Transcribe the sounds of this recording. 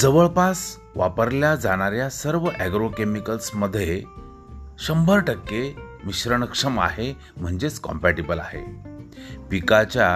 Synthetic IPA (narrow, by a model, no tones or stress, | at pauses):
d͡zəʋəɭpas | ʋapəɾljad͡zaɽ̃aɾjasəɾʋəʔæɡɾokemikəlsməd̪ʱːje | ɕəmbʱəɾʈəkːemiɕɾəɳəkʂəma̰ɦe | m̤əɳd͡zet͡skɔ̰mpæʈibəla̰ɦḛ | pikat͡ɕja